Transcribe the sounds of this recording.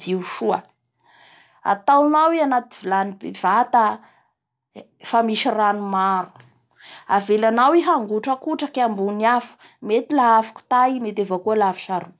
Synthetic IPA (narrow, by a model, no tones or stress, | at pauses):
iʃuə | a̰t̪awnaweanat̪i̥vilanibev̥at̪a | famiʃiranumaɾu̥ | avelanaweɦaŋɡuʈ͡ʂəkuʈ͡ʂəkambuniafu̥ | met̪ilaafḁku̥t̪ajmet̪evakualafi̥ʃaɾu